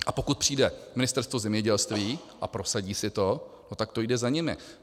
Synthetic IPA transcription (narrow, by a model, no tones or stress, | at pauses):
ʔapo̞kut̪̚pr̝̥iːdɛmɪnɪst̪ɛɾst̪vozɛmɲɛɟɛlst̪viː | ʔapɾo̞saɟiːsɪt̪o̞not̪akt̪o̞jdɛzaɲɪmɪ̰